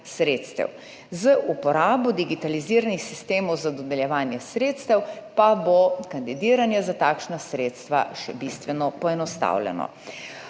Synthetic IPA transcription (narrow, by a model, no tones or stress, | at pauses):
sɾeːt̪st̪ɛ̰w | zəʔupɔɾaːbɔd̪iɡit̪aliziːɾanixsist̪eːmɔwzad̪ɔd̪ɛljɛʋaːnjɛsɾeːt̪st̪ɛwpabokand̪id̪iːɾanjɛzat̪aːkʃnasɾeːt̪st̪ʋa̰ʃɛbist̪ʋɛnɔpɔɛnɔst̪a̰wlɛ̰nɔ̰